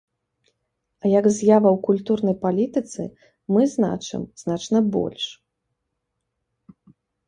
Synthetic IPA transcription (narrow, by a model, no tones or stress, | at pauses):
ɐjɐɡzʲjavɐwkulʲt̪urn̪ɐjpalʲit̪ɨt̪sɨ̰ | mɨzna̰t͡ʂɨ̰mz̥nat͡ʂnɐbɔ̰lʲʂ